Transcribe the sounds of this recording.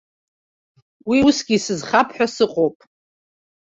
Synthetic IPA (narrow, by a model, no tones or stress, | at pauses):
wiusɡʲisɨzχapʰħʷᶣasɨqʼowpʼ